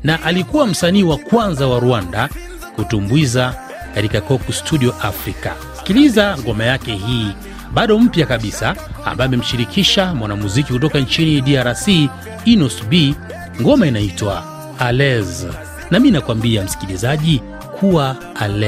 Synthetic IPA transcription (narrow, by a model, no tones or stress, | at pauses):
naʔalikuwam̩saniːwakwanzawaɾuanda | kutumbwiza | katikakɔkustʰuɗiɔʔafɾika | si̥kilizaŋɡɔmajakɛhiː | ɓaɗɔm̩pjakaɓisa̰ːmbaɛamɛm̩ʃiɾikʰiʃamwanamuzikikut̬ɔkaɲt͡ʃiniɗiaɾasiː | nusbi | ŋɡɔmainaitwa | alɛz | naminakwambiam̩si̥kilizaʄi | kʰuwa | alɛ